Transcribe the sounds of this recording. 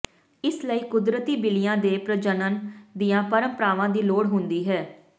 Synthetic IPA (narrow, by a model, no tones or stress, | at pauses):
ɪsləiːkʊd̪ɾət̪iːbɪlɪjãːd̪eːpɾəd͡ʒənənd̪ijãːpəɾə̃mpəɾaːʋãːd̪iːloːɽɦʊ̃nd̪iːɦɛː